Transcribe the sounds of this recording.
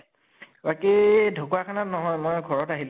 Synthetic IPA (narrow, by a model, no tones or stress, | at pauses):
bakidʱokuakʰanatnɔɦɔjmɔjɡʱɔɹɔtaɦil